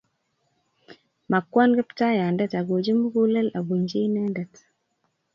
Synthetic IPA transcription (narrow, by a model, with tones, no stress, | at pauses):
ma˨kːwa˦nɡɛ˦pta˦ja˨ndɛ˦ta˨ɡo˨d͡ʒi˦mu˦ɡu˦lɛ˦la˨bu˨ɲd͡ʒe˦inɛ˦ndɛ˨t